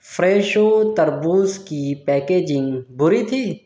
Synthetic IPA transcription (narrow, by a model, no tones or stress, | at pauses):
fɾeːʃoːt̪ɐɾbuːzkipɛːkeːd͡ʒɪ̃ŋɡbʊɾit̪ʰiː